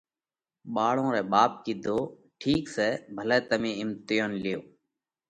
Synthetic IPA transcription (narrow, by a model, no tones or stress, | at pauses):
ɓaːɭõːɾɛːɓaːp̚kiːd̪ʱoː | ʈʰiːksɛːbʱəlɛːt̪əmĩːɪmt̪ɪjoːnlɪjoː